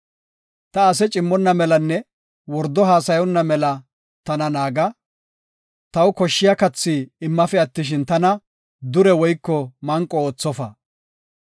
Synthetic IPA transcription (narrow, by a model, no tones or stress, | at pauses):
t̪ɐːsɛt͡ʃʼɪmːɔnːɐmɛlɐnːɛ | wɔɾd̪ɔɦaːsɐjɔnːɐmɛlɐ | t̪ɐnɐnaːɡɐ | t̪ɐwkɔʃːɪjɐkɐt͡sːiɪmːɐfɛɐt̪ːɪʃ̬ɪnt̪ɐnɐ | d̪ʊɾɛwɔjkːɔmɐŋkʼːɔoːt͡sːɔfɐ